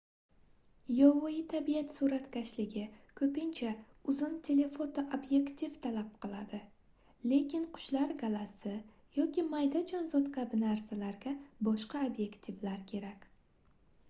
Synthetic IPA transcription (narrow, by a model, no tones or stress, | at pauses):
jɒvʊit̪ʰabijat̪suɾat̪kʲaʃlɪɡʲɪkʰɵpɪnt͡ʃʰa | ʊzɪnt̪ʰe̞le̞fot̪oʔobje̞kt̪ʰivt̪ʰalap̚qʰɨlˠad̪ɪ | le̞kʲɪnqʰʊ̥ʃlaɾɡalasɪ | jɒkʲʰimajd̪ad͡ʒɒnzɒt̪kʰʲabɪnaɾsalaɾɡʲabɒʃqɑobje̞kt̪ʰivlaɾkʲʰe̞ɾakʲ